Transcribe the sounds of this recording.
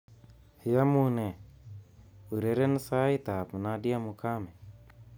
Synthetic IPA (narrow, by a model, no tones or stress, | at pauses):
hijamune | uɾeɾensaːit̪apnadijamukʰaːme